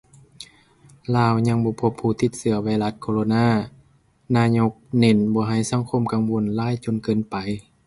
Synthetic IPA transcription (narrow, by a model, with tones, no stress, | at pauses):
laː˧˩˨wɲa˧˥ŋbɔː˧˦pʰo˧˩pʰːuː˧˩t̪ʰi˧˦t̪̚sɯ˧˦ɐwaː˧jla˧t̪̚kʰoː˧loː˧naː˧˥˨ | naː˧˨ɲo˧k̚ne˧˩˨nbɔː˧˦ɦa˧˩jsa˧˥˦ŋkʰo˧˥˨mka˧˨ŋwo˧˥˨nlaː˧˥˨jt͡ɕo˧˨nkɤː˧˨npa˨j